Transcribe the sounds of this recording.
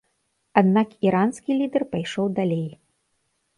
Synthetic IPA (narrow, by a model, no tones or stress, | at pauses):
ad̪nakiɾanskʲilʲid̪ɛrpajʂɔwd̪alʲej